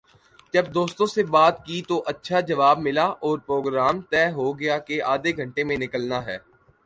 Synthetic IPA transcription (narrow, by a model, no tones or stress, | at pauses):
d͡ʒɐbd̪oːst̪õsebaːt̪̚kit̪oʔɐtːʃʰad͡ʒɐʋaːbmɪlaʔɔːɾpɾoːɡɾaːmt̪ɛːɦoɡɪjakeʔaːd̪eɡʱɐ̃ɳʈemẽnɪkəlnaɦɛː